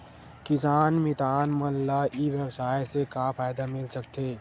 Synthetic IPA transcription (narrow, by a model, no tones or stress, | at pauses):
kɪsaːnmɪt̪aːnmɐllaʔiʋjɐwsaːjsekapʰaːjd̪amɪlsɐk̚t̪eː